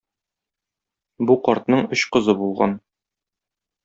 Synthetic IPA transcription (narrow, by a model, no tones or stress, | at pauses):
buqɒɾt̪nɤɴɵɕqɤ̆zɤbulˠʁɑ̰n